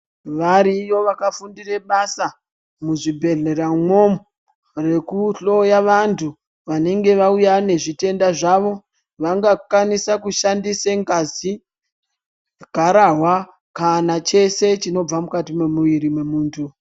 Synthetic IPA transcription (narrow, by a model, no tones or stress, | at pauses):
ʋaɾijo̞ʋakafundireɓasa | muʐibʱe̞ɮe̞ramo̞mu | re̞kuɬo̞jaʋantʰu | ʋane̞ŋɡe̞ʋaujane̞ʐite̞ndaʐaʋo̞ | ʋaŋɡakwanisakuʃandiseŋɡazi | ɡʱaɾaɦwa | kanat͡ʃe̞se̞t͡ʃino̞b͡vamukatimemuʋiɾimwe̞muːntʰu